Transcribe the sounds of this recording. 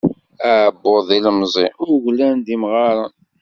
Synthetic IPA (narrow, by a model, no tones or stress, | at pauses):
æʕbːoðˤilmzˤiʊɾʝlænd̪imʁɑɾˤən